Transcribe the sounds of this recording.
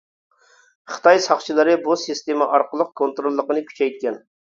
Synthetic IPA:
χə̥t̪ʰɑjsɑχt͡ʃʰilˠɨɾɨbusɨst̪eməʔɑɾqəlˠəq̚kʰont̪ɾolˠːəqənɨkʲʰy̥t͡ʃʰɛjt̪̚kʲɛn

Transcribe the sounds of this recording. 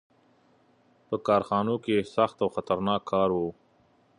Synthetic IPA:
pəkɑːɾxɑːnokesaxt̪awxat̪aɾnɑkʰːɑɾwo

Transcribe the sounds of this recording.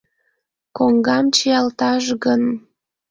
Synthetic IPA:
koŋɡɑmt͡ɕijɑlt̪ɑʒɣən

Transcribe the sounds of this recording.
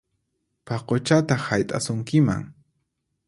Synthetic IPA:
paqot͡ʃat̪ahajt̪ʼasʊŋkɪma̰ŋ

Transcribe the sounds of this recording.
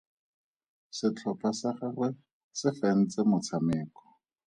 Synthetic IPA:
sɪt͡ɬʰɔpʰasaχarwɛ | sɪfɛn̩t͡sɪmʊt͡sʰamɪːkɔ̥

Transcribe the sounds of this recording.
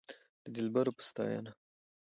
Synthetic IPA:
d̪̥əd̪ɪlbaɾopə̥st̪ɑ̰ja̰na

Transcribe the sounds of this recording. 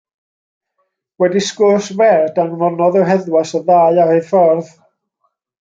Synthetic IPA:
wɛdiskʊsvɛdanmɔnɔðɛwɦɛðwasəðaːɨarɨfɔrð

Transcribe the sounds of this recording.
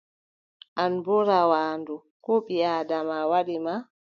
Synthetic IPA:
ʔanbɔɾawaːndu | kɔɓiaːdamawaɗima

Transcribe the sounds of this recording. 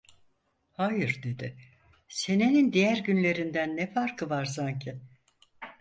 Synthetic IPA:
hajɯɾd̪e̞d̪ɪ | se̞nenind̪ijæɾɟynlʲe̞ɾind̪ænːɛfaɾkʰɯvaɾs̬aɲcʰɪ

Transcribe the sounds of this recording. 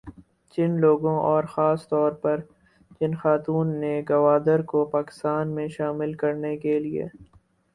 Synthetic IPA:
t͡ʃɪnloːɡõʔɔːɾxaːst̪ɔːɾpɐɾ | t͡ʃɪnxaːt̪uːnːeɡɐʋaːd̪əɾkopaːkɪ̥st̪aːnmẽʃaːmɪlkɐɾnekeliḛː

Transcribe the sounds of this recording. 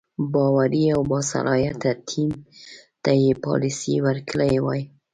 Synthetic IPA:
bɑwaɾiawbɑsa̰lɑjat̪at̪ʰimt̪ajepɑ̰lisiwaɾkləjwɑj

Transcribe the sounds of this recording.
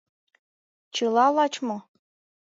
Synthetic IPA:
t͡ɕɤlɑlɑt͡ɕmɤ̆

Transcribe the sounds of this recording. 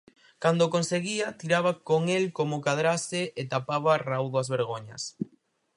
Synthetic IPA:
kand̪okonseɣiat̪iɾaβ̞akoŋelkomokaðɾasɪʔet̪apaβarawðoazβeɾɣoɲa̰s

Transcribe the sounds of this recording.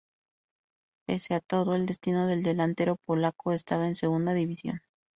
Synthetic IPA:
e̞̰seat̪o̞ðo̞e̞ld̪e̞st̪ino̞ðe̞ld̪e̞lant̪e̞ɾo̞po̞lako̞est̪aβaense̞ɣ̞und̪aðiβisjo̞̰n

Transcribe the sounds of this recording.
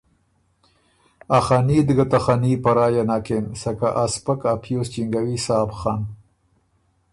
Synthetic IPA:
axanid̪ɡat̪axanipaɾɑːjanaːkensaka̰ʔaspakapʰjost͡ʃiŋɡawisaːbxɑn

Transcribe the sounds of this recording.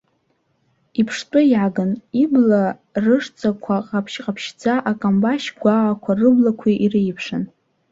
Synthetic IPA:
ipʰʂtʼɨjaɡanibla | rɨʂt͡sʼakʷʰaqʼapʰʃqʼapʰʃd͡zaʔakʼambaʃɡʷaːakʷʰarɨblakʷʰiʔirijpʰʂan

